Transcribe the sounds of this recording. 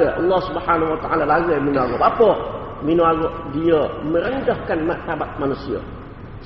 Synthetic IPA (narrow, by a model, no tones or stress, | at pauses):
əʔəlːɑhsubhanawat̪aʔalalaɡəminoaɣobapəʔ | minoaɡɔʔdiəmə̃ɾəndahkanmaʔt̪abat̪̚manusiə̰